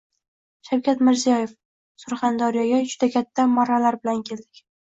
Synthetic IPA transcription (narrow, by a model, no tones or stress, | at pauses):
ʃawkʲat̪mɪɾzijɒje̞f | sʊɾχɑnd̪ɒɾijaɡʲad͡ʒʊd̪akʲʰat̪ʰːamɒɾalaɾbɪlankʲʰe̞ld̪ɪkʲ